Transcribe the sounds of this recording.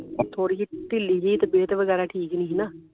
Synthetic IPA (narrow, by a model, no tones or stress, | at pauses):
t̪ʰoːɽiːt͡ʃiʈɪlːiːd͡ʒəiːt̪ebeːt̪ʋəɡɛːɾaːʈʰiːknĩːɦnaː